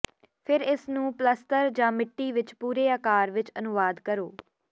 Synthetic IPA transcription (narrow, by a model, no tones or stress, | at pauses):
pʰɪɾɪsnũːpləst̪əɾd͡ʒãːmɪʈːiːʋɪt͡ʃpuːɾeːaːkaːɾʋɪt͡ʃənʊʋaːd̪kəɾoː